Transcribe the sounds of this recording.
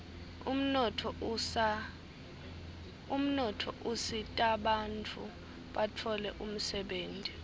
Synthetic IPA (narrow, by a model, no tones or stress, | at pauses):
um̩nɔtʰɔa | um̩nɔtʰɔʔusitʼaɓant͡fʰʼu | ɓatʰɔlɛʔum̩sɛɓeːntʼi